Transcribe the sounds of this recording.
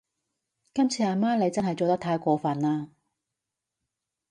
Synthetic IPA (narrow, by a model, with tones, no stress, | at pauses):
kɐ˥mt͡sʰiː˨˧aː˨˧maː˥le˨˧jt͡sɐ˥nɦɐ˨jt͡so˨wt̪ɐ˥kt̪ʰaː˧jkʷɔː˨˧fɐ˨naː˧